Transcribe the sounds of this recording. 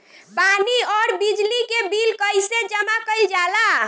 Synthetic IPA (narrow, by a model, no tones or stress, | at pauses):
paniɔɾbid͡ʒlikebilkəjsed͡ʒəmakəjld͡ʒala